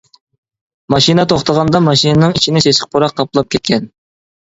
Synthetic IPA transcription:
mɑʃinət̪ʰoχt̪ɑʁɑnd̪ɑmɑʃinɨnɨŋit͡ʃʰinɪseʃɪ̥q̚pʰoɾɑqʰːɑplˠɑp̚kʲʰɛt̪̚kʲʰɛn

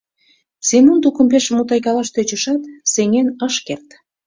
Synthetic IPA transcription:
semunt̪ukə̆mpeʃmut̪ɑjkɑlɑʃt̪et͡ɕəʃɑt̪seŋenəʃkert̪

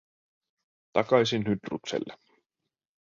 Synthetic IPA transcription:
t̪ɑkɑjsinɦyd̪rṵksḛlːe

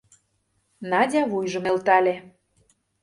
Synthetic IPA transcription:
nɑdʲɑβujʒə̆melt̪ɑlʲe

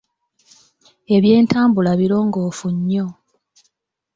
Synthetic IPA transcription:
e̞βje̞ːntaːmbulaβiɾo̞ːŋɡoːfuɲːo̞

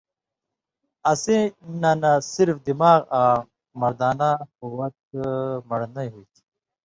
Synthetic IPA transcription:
ɐsenanasiɾfd̪imaːɣa | mɐɾd̪aːnaquwɐt̪̚mɐɽnɐjɦuit̪ʰi̥

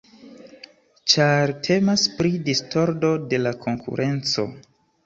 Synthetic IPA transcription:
t͡ʃaɾtʰe̞maspɾidisto̞ɾdo̞de̞lakʰo̞ŋkʰṵɾʔe̞nt͡so̞̰

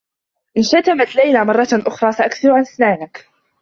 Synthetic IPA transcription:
ʔɪnʃat̪amat̪lajlamɑrˤːɑʔʊxɾˤɑːsaʔakθɪɾʕanaθnaːnak

